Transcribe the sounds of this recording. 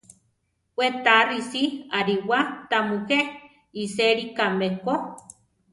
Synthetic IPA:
wet̪arisiaɾiwat̪amuke | iseɾikameko

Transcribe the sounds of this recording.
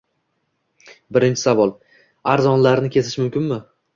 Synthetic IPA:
bɪɾɪnt͡ʃʰɪ̥savɒlˠ | aɾzɒnlaɾnɪkʲʰe̞zɪʃmʊmkʲɪnmɪ

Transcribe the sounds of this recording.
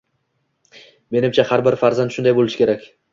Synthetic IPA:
me̞nɪmt͡ʃʰahaɾbɪɾfaɾzant̪ʃʊnd̪ajbolˠɪʃɪ̥kʰʲe̞ɾakʲ

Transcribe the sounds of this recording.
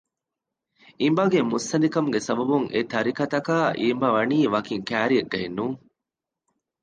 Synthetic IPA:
imbɐɡemusːɐnd̪ikɐmuɡesɐbɐbuŋḛt̪ɐɾikɐt̪ɐkaːʔimbɐʋɐniːʋɐkiŋkæːɾiɐɡːɐenːuŋ

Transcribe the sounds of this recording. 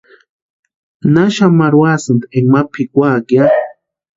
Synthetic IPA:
naʃamaɾwasɨnd̪eŋmapʰikʷakja

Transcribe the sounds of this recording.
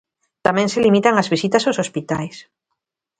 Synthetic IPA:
t̪amɛ̃ŋselimit̪aŋazβisit̪asaowsospit̪ajs

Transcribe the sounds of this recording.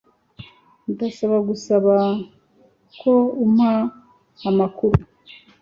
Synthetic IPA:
ndasaβaɡusaβa | kʰoumhaː | makuɾu

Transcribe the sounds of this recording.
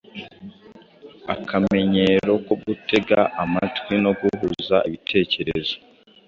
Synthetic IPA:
a̰kʰame̞ɲe̞ɾo̞koɡutʰe̞ɡaʔamatkwino̞ɡuɦuzaʔiβitʰe̞ːce̞ɾezo̞

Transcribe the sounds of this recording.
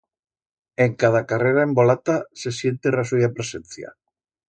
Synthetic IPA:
eŋkað̞akareɾaembolat̪asesjent̪erasujapɾesenθja̰

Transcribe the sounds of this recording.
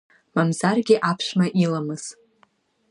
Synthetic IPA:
mamzarɡʲɪʔapʰʃʷmaʔilamɨz̥

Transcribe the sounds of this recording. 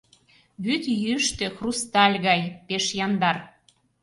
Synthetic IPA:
βyt̪jyəʃt̪ĕxrust̪ɑlʲɣɑjpeʃjɑnd̪ɑr

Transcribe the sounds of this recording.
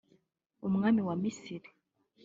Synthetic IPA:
umuŋamiwamisiɾi̥

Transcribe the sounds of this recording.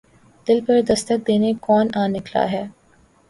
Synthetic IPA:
d̪̥ɪlpɐɾd̪ɐst̪ək̚d̪eːnekɔːnaːnɪkla̰ɦɛː

